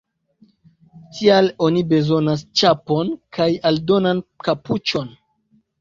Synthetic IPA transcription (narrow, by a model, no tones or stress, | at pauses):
tʰialo̞nibe̞zo̞nas̬t͡ʃapo̞nkʰajaldo̞nankaput͡ʃo̞n